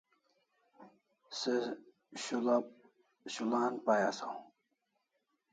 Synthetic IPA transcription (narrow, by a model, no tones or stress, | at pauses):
se | ɕula | ɕulaːnpajasaũ